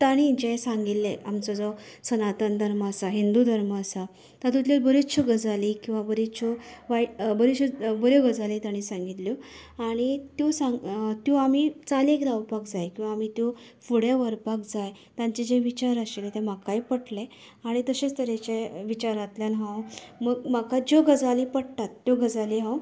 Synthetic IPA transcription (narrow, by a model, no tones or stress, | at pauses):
t̪aɽ̃ĩiɲt͡ɕeesãŋɡit̪ːeamt͡sɔd͡zɔsənat̪ənd̪ʱəɾməəsaɦind̪ud̪ʱəɾməːsa | t̪at̪ut̪ljalbəɾit̪t͡ɕʰɔɡəd͡zalikĩw̃ʋabəɾit̪t͡ɕʰɔʋabəɾit͡ɕʰobəɾjɔɡəd͡zalit̪aɽ̃ĩsãŋɡit̪ljɔ | aɽ̃it̪jɔsaŋt̪jɔ̃am̤it͡salekd̪awpakd͡zajkĩw̃ʋaːm̤it̪jɔ | fuɽjaʋəɾpakd͡zaj | t̪ãɲt͡ɕed͡ʑeʋit͡ɕaɾəɕelt̪em̤akajpəʈle | aɽ̃it̪əɕẽst̪əɾet͡ɕeʋit͡ɕaɾat̪ljalɦãwməɡm̤akad͡ʑoɡəd͡zalipəɽt̪at̪ːjoɡəd͡zaliɦãw